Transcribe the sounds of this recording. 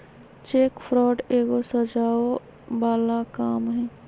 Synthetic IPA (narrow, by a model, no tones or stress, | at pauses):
t͡ʃeːkpʰɾɔːɖeːɡosəd͡ʒaːo | baːlakaːmɦɛ̃ː